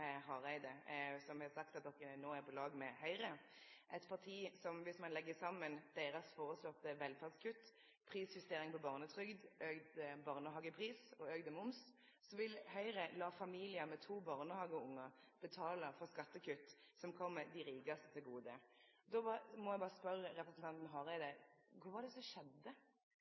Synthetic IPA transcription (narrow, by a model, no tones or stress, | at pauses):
hɑːʁæɪd̪əsɔmɑsɑk̚t̪ɑt̪̚d̪ɔkːənoːæɾpʰɔlɑːɡmɛhœʏɾəʔɛt̪pʰɑʁt̪ʰiːsɔmʋɪsmɑnlɛɡːəsɑmːənd̪̥eːɾɑsfoːʁəslɔt̪əʋɛlfɑʁd̪skʰʉt̪ː | pʰʁiːsjʉst̪eːʁɪŋpɔbɑːʁnət̪ʰʁʏɡd̪øːɡd̪əbɑːʁnəɦɑːɡəpʰʁiːsɔøːɡd̪əmʊms | sɔʋɪlhœʏɾəlɑːfɑmiːlɪəmɛt̪ʰuːbɑːʁnəhɑːɡəʊŋːə | b̥ət̪ʰɑːləfɔʁskɑt̪ːəkʰʉt̪ːsɔmkʰɔmːəd̪ɪɾiːɡɑst̪ət̪ʰɪlɡuːd̪ə | d̪ɔmɔjæɪbɑːʁəspœɾəʁɛpɾəsnt̪ɑnt̪n̩ɦɑʁæɪd̪ɛkʰʊɾʋɑːd̪ɛsɔʃɛd̪ːə